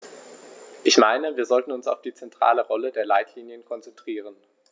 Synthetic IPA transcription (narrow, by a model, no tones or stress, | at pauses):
ʔɪçmaɪnəviːɐzɔltn̩ʊnsa̰ʊfd̥iːt͡sɛntʁ̥a̰ːləʁɔlədeːɐlaɪtʰliːnjənkʰɔnt͡sɛntʁ̥iːʁ̞ən